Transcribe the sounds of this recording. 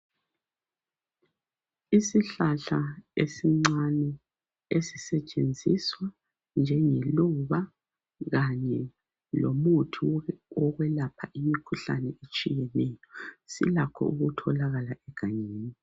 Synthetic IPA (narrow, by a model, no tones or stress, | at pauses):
isiɬaɬaesiŋ͡ǀanɛ | esisɛt͡ʃʼend͡zʱiswa | nd͡ʒʱɛŋeluβa | ɣaɲɛ | lomutʰuɔɣwɛlapʰaʔimikʰuɬanɛet͡ʃʼijɛnɛːjɔsḭlakʰɔ̰uɣutʰɔlaɣalaʔɛɡ̥ʱaɲeːni